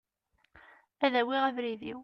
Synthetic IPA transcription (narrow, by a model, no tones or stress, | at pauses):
æðæwiʁævɾiðḭw